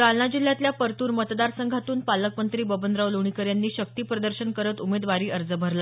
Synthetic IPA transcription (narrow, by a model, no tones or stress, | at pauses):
ɡalnad͡ʑil̤ːjat̪ljapəɾt̪uːɾmət̪d̪aɾsəŋɡʱat̪uːnpaləkmənt̪ɾiːbəbənd̪ɾaʋluɳ̃ikəɾjanːiːɕək̚t̪iːpɾəd̪əɾɕənkəɾət̪umed̪ʋaɾiːʔəɾd͡zəbʱəɾla